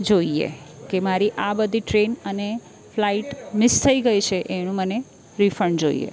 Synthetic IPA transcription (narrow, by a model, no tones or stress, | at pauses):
d͡ʒoiḛkemaɾiʔabəd̪ʱiʈɾenəne | flaiʈmɪst̪ʰəiɡəit͡ʃʰeʔeɽ̃ũməne | ɾifəɳd͡ʒoḭḛ